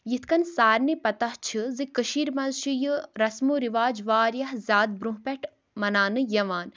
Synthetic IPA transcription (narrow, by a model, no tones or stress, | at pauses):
jit̪ʰkɐnsaːɾnipɐt̪ɐht͡ʃʰɨzikəʃiːɾmɐzʃijɨɾɐsmuɾiʋaːd͡ʒʋaːɾjɐɦzʲaːd̪̚bɾũɦpɛʈʰ | mɐnaːnɨjɐʋaːn